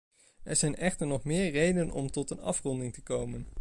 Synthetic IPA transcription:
ɛɹzɛjnɛχtəɹnɔχmɪːɹrejdənɔ̰mtɔtənɑ̰frɔndɪŋtəkowmən

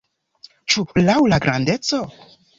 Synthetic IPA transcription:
t͡ʃulawlaɡɾande̞t͡so̞

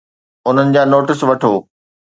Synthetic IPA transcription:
ʊn̤ənɪ̆d͡ʑaːnoːʈɪsʋɐʈʰoː

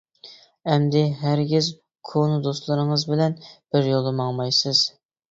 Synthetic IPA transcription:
ɛmd̪ɪɦæɾɡʲɪz | kʰond̪oslˠɨɾɨŋəzbɪlɛnb̥ɪɾjolˠɨmɑŋmɑjsɨz̥

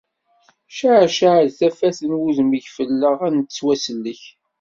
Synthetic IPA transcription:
ʃaʕʃaʕðθæfæθənwuðməʝfəlːəʁænt̪t͡sːwæsəlːəç

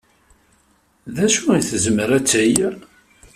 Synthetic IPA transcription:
ðæʃuiθzəməɾæt͡sːəj

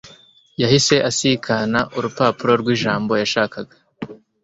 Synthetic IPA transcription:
jahise̞ʔasikʰanaʔuɾupaːpuɾo̞ɾɡwiːʒaːmbo̞jaʃaːkaɡa

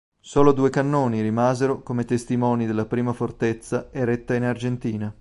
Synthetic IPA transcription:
soːlod̪uːekanːoːniɾimaːzeɾokomet̪est̪imɔːnid̪elːapɾiːmafort̪et̪sːaeɾet̪ːainard͡ʒent̪iːna

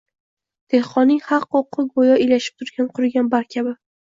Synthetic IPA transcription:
d̪̥e̞hqɒnːɪŋχɑqːoqʰːɨɡojɒejlaʃɪ̥p̚t̪ʰʊɾɡʲanqʰʊɾɡʲanbaɾkʲʰabɪ

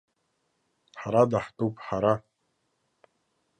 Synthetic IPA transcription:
ħaɾadaħtʼowpʼħaɾa

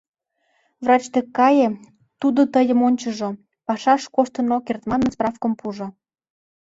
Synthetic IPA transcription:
vrɑt͡ɕt̪ekːɑje | t̪ud̪ot̪əjə̆monʲt͡ɕə̆ʒo | pɑʃɑʃkoʃt̪ənokert̪mɑnənsprɑfkəmpuʒŏ

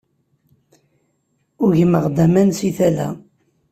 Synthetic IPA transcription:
ʊɾʝəməʁd̪æmænsiθælæ̰

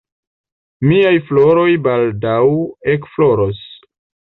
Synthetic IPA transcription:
miajflo̞ɾo̞jbaldawekflo̞ɾo̞s

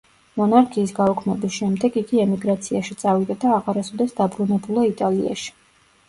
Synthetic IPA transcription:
mɔnaɾkʰiːsɡaukʰnɛbisʃɛmd̪ɛɡiɡiɛmiɡɾat̪sʰiaʃit̪sʼavid̪ad̪aːʁaɾasɔd̪ɛsd̪abɾunɛbulˠait̪ʼalḭa̰ʃi̥

